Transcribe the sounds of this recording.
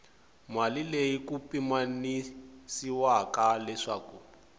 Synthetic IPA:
malilejikupimanisiwakalɛʂaːku

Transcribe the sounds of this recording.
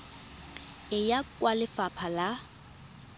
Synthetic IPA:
ɪjakʼwalɪfapʰala

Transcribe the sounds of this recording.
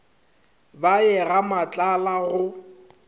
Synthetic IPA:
baɛɣamat͡ɬʼalaɣʊ

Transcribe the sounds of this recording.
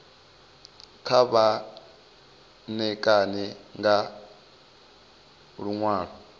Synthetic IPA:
kʰaβa | nɛkʼanɛŋɡa | ɺuŋwaːɺɔ

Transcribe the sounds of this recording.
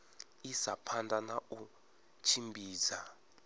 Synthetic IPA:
isapʰandʱʼanau | t͡ʃʰimbʱiːza

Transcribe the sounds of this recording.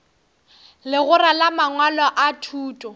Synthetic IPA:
lɪɣʊɾalamaŋwalɔʔatʰuːtʼɔ

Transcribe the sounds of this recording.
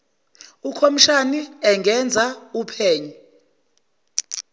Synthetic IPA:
ukʰomiʃaniɛŋʱɛnd͡zʱaupʰeːɲu

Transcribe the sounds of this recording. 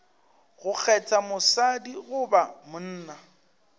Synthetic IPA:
ɣʊk͡xʰɛt͡sʰʼamʊsadiɣʊbamʊn̩ːna

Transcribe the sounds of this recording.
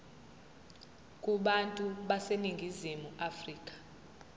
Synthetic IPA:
kʼuɓantʼuɓaseniŋɡʱizimuʔafriːkʼḁ

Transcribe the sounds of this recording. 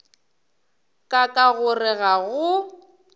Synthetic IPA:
kʼakʼaɣʊrɪɣaɣʊ

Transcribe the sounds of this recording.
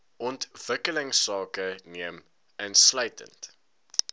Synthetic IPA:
ʔɔntv̥əkələŋsɑːkəniəm | ənsləɥtə̰nt

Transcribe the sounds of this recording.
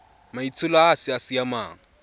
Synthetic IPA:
mait͡sʰʊlaasɪasɪjamaːŋ̩

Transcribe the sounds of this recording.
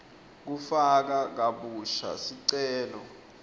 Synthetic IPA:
k̬ufak̬ak̬aɓuʃa̰siǀɛːlɔ

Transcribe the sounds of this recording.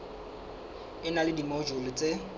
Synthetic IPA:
ɪnalɪdimɔd͡ʒʊlɪt͡sʼe

